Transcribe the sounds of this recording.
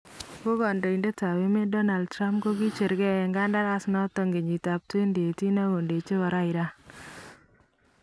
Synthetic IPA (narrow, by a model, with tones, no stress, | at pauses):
ko˦kɔ˨ndɔ˨i˨nde˦ta˨we˦me˦dɔ˦na˨ld̚tɾa˦mp̚ko˦ki˦t͡ʃe˨ɾɡɛ˦ɛ˨ŋɡa˦nda˦ɾa˦snɔ˦tɔ˦ŋɡe˨ɲi˨ta˨p̚twe˦nde˨ti˦na˦ɡo˨nde˨t͡ʃe˦wa˨ɾa˦ɪ˨ɾa˦